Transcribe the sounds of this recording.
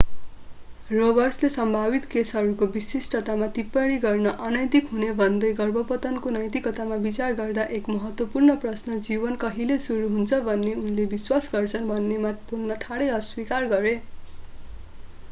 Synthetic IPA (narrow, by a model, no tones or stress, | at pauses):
robʌrslesʌmbʱabit̪kesɦʌɾukobisisʈʌt̪amat̪ipːʌɽ̃iɡʌrnʌʔʌnʌjt̪ikɦunebʱʌnd̪ʌjɡʌrbʱʌpʌt̪ʌnkonʌjt̪ikʌt̪amabit͡sarɡʌrd̪aʔekmʌɦʌt̪wʌpurnʌprʌsnʌd͡zibʌnkʌɦilesuɾuɦunt͡sʰʌbʱʌnːeunlebiswasɡʌrt͡sʰʌnbʱʌnːemapuɡnʌʈʰaɽʌjʌswikarɡʌɾe